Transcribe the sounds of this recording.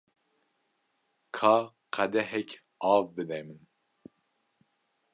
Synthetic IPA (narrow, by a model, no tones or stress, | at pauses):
kʰɑː | qʰæd̪ɛɦɛkʰʲ | ɑːvbɨd̪ɛjmɨn